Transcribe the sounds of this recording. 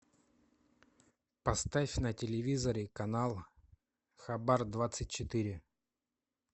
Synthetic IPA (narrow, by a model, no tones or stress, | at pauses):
pɐst̪afʲnətʲɪlʲɪvʲizəɾʲɪkɐnalˠ | xɐbard̪vat̪sɨtʲt͡ɕɪt̪iɾʲɪ